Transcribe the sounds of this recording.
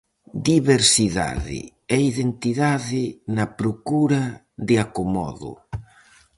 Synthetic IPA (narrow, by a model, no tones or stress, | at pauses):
d̪iβeɾsiða̰ðɪ̰ | ɛiðent̪iðaðɪnɐpɾokuɾɐ | ðɪakomɔ̰ðʊ̰